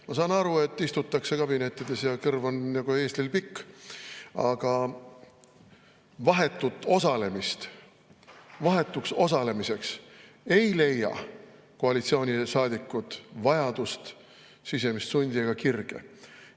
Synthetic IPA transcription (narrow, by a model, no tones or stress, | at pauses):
mɑsɑːnɑɾue̞t̪ːist̪ut̪ˑːɑkse̞kɑbine̞t̪ːid̪e̞sjɑkɤrvonnɑɡ̥ue̞ːst̪lilpikː | ɑ̰ɡ̥ɑ | vɑɦe̞t̪ːˑut̪ˑːo̞sɑle̞mist̪ | vɑɦe̞t̪ːˑukso̞sɑle̞mise̞ks | e̞jle̞jːɑ̰ | koɑlit̪sio̞ːnʲisɑːd̪ikːˑut̪vɑjɑd̪̥ust̪ | sise̞mist̪sunʲd̪ieɡ̥ɑkirɡ̥ḛ